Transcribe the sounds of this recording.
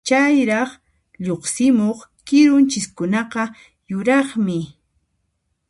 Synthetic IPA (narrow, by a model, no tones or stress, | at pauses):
t͡ʃajɾɑχ | ʎoχsɪmoχkɪɾʊnt͡ʃɪskʊnɑqɑ | jʊɾɑχmɪ